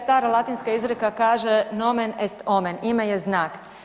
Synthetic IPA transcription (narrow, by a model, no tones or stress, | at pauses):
st̪aːɾalˠat̪inskaizɾekakaːʒenomenest̪omenimajeznaːk